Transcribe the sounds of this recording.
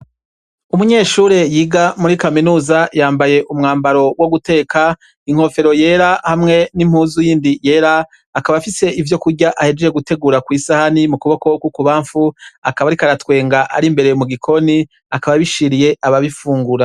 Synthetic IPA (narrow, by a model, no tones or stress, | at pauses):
umuɲe̞ːʃuːɾe̞jiːɡamuɾikaminuːzajaːmbaje̞ʔumŋaːmbaɾo̞wo̞ɡute̞ːka | iŋ̥ho̞fe̞ɾo̞je̞ːɾahamŋe̞nim̥huːzujiːndije̞ːɾaː | kaβafise̞ivjo̞kuɾɡɟaʔahe̞d͡ʒejeɡute̞ɡuːɾakwiːsahanimukuβo̞ko̞kwukuβaːɱfuakaβaɾikaɾatwe̞ːŋɡaʔa̰ɾimbe̞ɾemuɡikʰo̞ni | akaβaβiʃiɾije̞ʔaβaβifuːŋɡuɾa